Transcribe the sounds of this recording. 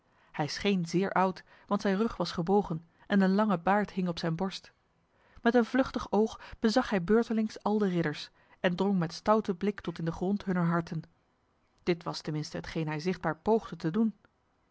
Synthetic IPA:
hɛjsχejnzɪːɹʔʌwt | ʋɑntsɛjnrɵχʋɑsχəbowχən | ʔɛnənlɑŋəbaːɹtɦɪŋɔpsɛjnbɔɹst | mɛtənvlɵχtəχowχb̥əzɑχɦɛjbøːɹtəlɪŋsɑlˠdərɪdəɹs | ɛndrɔŋmɛtstʌwtəblɪktɔtɪndəχrɔntɦɵnəɹɦɑɹtən | d̥ɪtʋɑstəmɪnstəɦətχejnɦɛjzɪχd̚baːɹpowχdətədun

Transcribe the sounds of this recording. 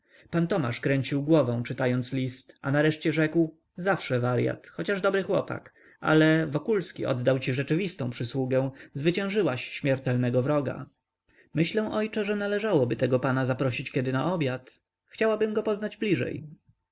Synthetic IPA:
pant̪ɔma̰ʂkɾɛɲt͡ɕiwɡwɔvɛ̃w̃t͡ʂɘt̪ajɔnt̪slʲist̪a̰naɾɛʂt͡ɕɛʐɛkw | zafʂɛvaɾja̰t̪xɔt͡ɕaʐd̪ɔbɾɘxwɔpa̰k | a̰lɛvɔkulskʲḭʔɔ̰d̪d̪awt͡ɕiʐɛt͡ʂɘvʲist̪ɔ̃w̃pʂɘswuɡɛw̃zvɘt͡ɕɛ̃w̃ʐɘwaɕɕmʲjɛɾt̪ɛlnɛɡɔvɾɔɡa̰ | mɘɕlɛw̃ʔɔjt͡ʂɛʐɛnalɛʐawɔbɘt̪ɛɡɔpanazapɾɔɕit͡ɕkʲɛd̪ɘnaʔɔbʲjat̪ | xt͡ɕawabɘmɡɔpɔznad͡ʑblʲiʐɛ̰j

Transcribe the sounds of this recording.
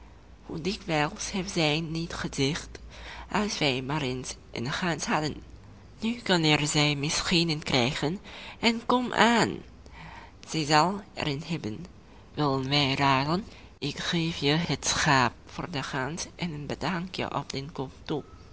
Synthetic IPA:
hudɪkʋɛlˠshɛpzɛjnitχəzɪχtʔɑlˠsʋɛjmaːɾensʔə̰nχansɦɑdən | nykɑnɛrzɛjmɪsχinənkrɛjχənɛnkɔmʔaːn | z̥ɛjzɑlˠɛ̰ɾɪnɦɛbən | ʋɪlˠdənʋɛjraːdən | ɪkχeːfjəhətsχaːp̚fʊ̰ːrdəχɑnsʔɛnənbədɑŋkjə̰ʔɔ̰pdɛnkɔmtu

